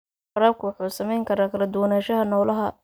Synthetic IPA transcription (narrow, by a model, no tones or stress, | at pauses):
ħɑɾaːb̚kʰʊwɑħuːsɐmɛjŋkʰɐɾaːkʰɐlɐd̪ʊwɐnaːʃɐɦɐnɔwlɐɦɐ